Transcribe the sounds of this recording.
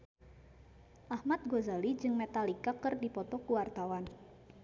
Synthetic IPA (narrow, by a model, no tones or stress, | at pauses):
ʔahmat̪̚ɡozalid͡ʒɨŋmɛt̪alikakɨrdipɔt̪ɔkuwart̪awan